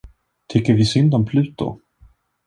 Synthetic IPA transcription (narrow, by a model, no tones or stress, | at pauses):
t̪ʰʏkːəɾvɪsʏnd̪ɔmpʰlʉ̟ːt̪ːʊ̰